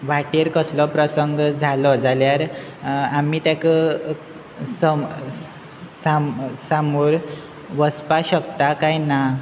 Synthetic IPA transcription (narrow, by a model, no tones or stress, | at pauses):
ʋaʈeɾkəslɔpɾəsəŋɡd͡zʱalɔd͡zʱaljaɾ | amiːt̪jakə | sə | sasamuːɾ | ʋəspaɕəkt̪akajna